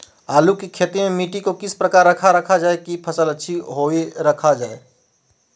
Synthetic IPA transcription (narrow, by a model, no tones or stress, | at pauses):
aːlukikʰeːt̪imẽmiːʈikokɪspɾəkaːɾːəkʰaɾəkʰad͡ʒaːekipʰəsələtːʃʰiɦoeɾəkʰad͡ʒaːe